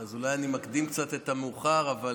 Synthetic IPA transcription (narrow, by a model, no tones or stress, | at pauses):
azulajanimakd̪imkt͡sat̪et̪ameuχaʁava